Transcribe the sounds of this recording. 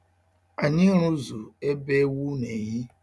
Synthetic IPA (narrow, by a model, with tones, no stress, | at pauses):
a˨ɲi˦ɾu˦zu˨e˦be˦wu˦ne˨ɲɪ˦